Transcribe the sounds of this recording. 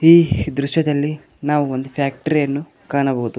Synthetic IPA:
iːd̪ɾuʃjɐd̪ɐlːi | naːʋuo̞nd̪upʰjaːk̚ʈɐɾijɐnːu | kaːɳɐboːud̪u

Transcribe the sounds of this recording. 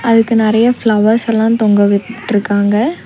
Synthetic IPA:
ɐðɯkːɯnɪɾɐjɐflɐʋɐɾsɛlːãːt̪ɔŋɡɐʋɪʈːɾɯkːaːŋɡɐ

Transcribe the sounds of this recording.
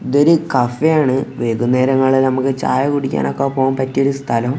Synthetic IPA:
d̪oɾɨkɐfejaːɳɨʋeːd̪unːe̞ːɾɐŋːɐɭilnɐmukːɨt͡ɕa̰ːjɐkuɽikʲːa̰ːnokːɐpːoːmpɐtːioɾust̪ʰɐlɐm

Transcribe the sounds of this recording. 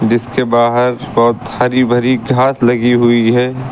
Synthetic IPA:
d͡ʒɪskebaːɦəɾbɔːt̪hɐɾibʱəɾiɡʱaːslɐɡiɦʊiɦɛː

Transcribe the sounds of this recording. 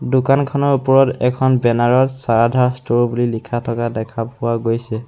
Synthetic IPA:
dʊkankʰɔnɔɹupɔɹɔtɛkʰɔnbɛnaɹɔtsaɹadʱaɹstoɹbulilikʰatʰɔkadɛkʰapʊwaɡojsɛ

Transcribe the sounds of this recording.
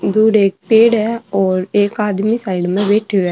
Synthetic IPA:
d̪uːɖeːk̚peːɽɛːɔːɾeːkaːd̪misaːɪɖmɛ̃ʋeːʈʰeɛ

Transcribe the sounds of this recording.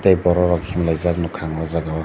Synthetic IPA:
tajbɔɾɔɾɔkʰimlajzak̚nɔkʰaŋɔzaɡaw

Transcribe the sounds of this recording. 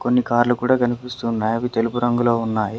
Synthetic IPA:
ko̞nːikaːɾlukuːɽaːkɐnipist̪unːaːjɐʋit̪e̞lubuɾɐŋɡulo̞ːunːaːji

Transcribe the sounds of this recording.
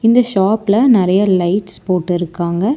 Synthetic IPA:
ɪnd̪ɐʃaːplɐnɪɾɐjɐlɐɪʈspoːʈːɯɪɾɯkːaːŋɡɐ

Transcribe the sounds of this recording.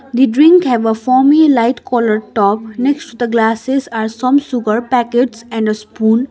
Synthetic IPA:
d̪iɖɾɪ̃ŋkhɛʋəfɔmilaɪʈkɔːləɾʈɔːpneksʈud̪əɡlaːsezaːɾsʌ̃msʊɡəɾpækeʈsɛ̃ɳɖəspũːn

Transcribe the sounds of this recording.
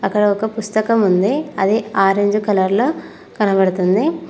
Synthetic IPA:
ɐkːɐɽɐɔkɐpust̪ɐkɐmund̪iɐd̪eaːɾeɲd͡ʒukɐlɐɾloː | kɐnɐbɐɽut̪und̪i

